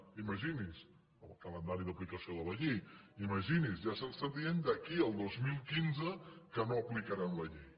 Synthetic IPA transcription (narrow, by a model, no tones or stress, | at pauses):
iməʒinis | əlˠkələnd̪aɾiðəplikəsioðələʎejiməʒinizʒasəlsəðiend̪əkiəlˠd̪ozmilˠkinzəkənoəplikəɾanləʎej